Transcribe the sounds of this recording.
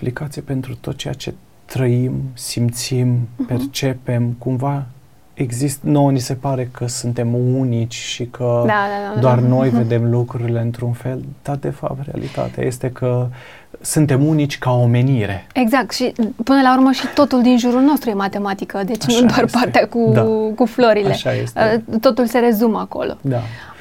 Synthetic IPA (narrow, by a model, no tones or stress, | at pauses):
plikat̪sijepe̞nt̪ɾut̪o̞t̪̚t͡ʃe̞ja̰t͡ʃe̞̰ | t̪ɾəimsimt̪simpe̞rt͡ʃe̞pe̞mkumva | eɡzist̪ənownise̞paɾe̞kʰəsɨnt̪e̞munit͡ʃʲʃikʰəd̪ad̪ad̪ad̪oarno̞jve̞d̪e̞mlukɾuɾile̞ɨnt̪ɾunfe̞lt̪at̪̚d̪e̞fa̰p̚t̪ɾea̰lḭt̪a̰t̪ea̰je̞st̪e̞kʰə | sɨnt̪e̞munit͡ʃʲkaome̞niɾe̞eɡzak̚t̪ʃipɨnəlaurməʃit̪o̞t̪uld̪inʒuɾulno̞st̪ɾuje̞mat̪e̞mat̪ikəd̪e̞t͡ʃnud̪oarpart̪eakud̪akuflo̞ɾile̞ʃajḛsteət̪o̞t̪ulse̞ɾe̞zumako̞̰lo̞̰d̪a